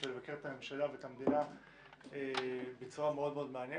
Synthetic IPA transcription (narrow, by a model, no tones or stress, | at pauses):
elevake̞ʁet̪ame̞mʃalavet̪amed̪ina | ebet͡suʁameo̞d̪me̞o̞d̪meanje